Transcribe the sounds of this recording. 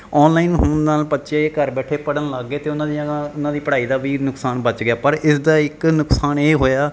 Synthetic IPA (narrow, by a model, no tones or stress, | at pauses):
ɔːnlaːiːnɦʊnnaːlpətːʃeːkəɾbɛːʈʰeːpəɽənləɡːeːt̪eːʊnãːd̪ĩʊnãːd̪iːpəɽaːiːd̪aːʋiːnʊksaːnbət͡ʃɡɪjaːpəɾɪsd̪aːɪknʊksaːneːɦoːjaː